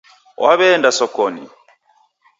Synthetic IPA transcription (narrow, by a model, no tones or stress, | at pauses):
wʔaβɛːndasɔkɔnḭ